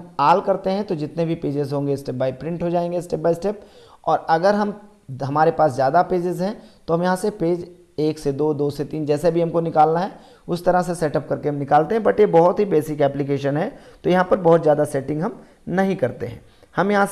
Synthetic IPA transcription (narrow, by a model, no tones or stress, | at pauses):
aːlkɐɾt̪eɦɛ̃t̪od͡ʒɪt̪nebʱipeːd͡ʒɪzɦõːŋɡesʈeːp̚baːipɾɪ̃ɳʈɦod͡ʒaːẽːŋɡesʈeːp̚baːisʈɛːp̚ɔːɾɐɡəɾɦɐm | ɦɐmaːɾepaːszjaːd̪apeːd͡ʒɪzɦɛ̃t̪oɦɐmjɐɦãsepeːd͡ʒ | eːksed̪oːd̪oːset̪iːnd͡ʒɛːsebʱiɦɐmkonɪkaːlnaɦɛ | ʊst̪ɐɾəsesɛːʈɐp̚kɐɾkeɦɐmnɪkaːlt̪ẽɦɛ̃bɐʈjebɔɦʊt̪ɦibeːsɪkɛːplɪk̬eːʃənɦɛt̪ojɐɦãpɐɾbɔɦʊt̪zjaːd̪asɛːʈɪ̃ŋɡɦɐm | nɐɦĩkɐɾt̪ḛɦɛ̰̃ː | hɐmjɐɦã